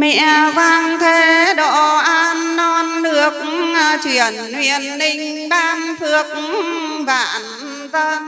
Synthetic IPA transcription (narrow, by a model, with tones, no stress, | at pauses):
mɛ̰˧˨əvaː˧ŋt̪ʰe˧˦ɗɔ˧˩˨ʔaː˧nːɔ˧nlɨ˨˩ək̚ːt͡ɕwḭ˧˨ənhwḭ˧˨ənːï˧˩ŋ̟ɓaː˧nt̪ʰɨ˨˩ək̚vaː˧˩˨n | zə˧n